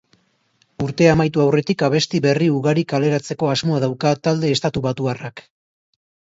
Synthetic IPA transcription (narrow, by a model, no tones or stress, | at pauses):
uɾt̪e̞amajt̪uawre̞t̪ikaβ̞e̞st̪iβe̞riuɣaɾikale̞ɾat͡se̞ko̞azmo̞aðawkat̪ald̪e̞ːst̪at̪uβat̪uarak